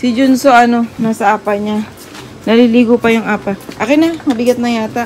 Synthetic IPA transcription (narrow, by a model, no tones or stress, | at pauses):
sɪd͡ʒonsoʔɐno̞nasɐaːpaɲa | nɐliliːɡopɐjʊŋʔaːpaʔakɛnamɐbɪɡɐt̪̚nɐŋjaːt̪a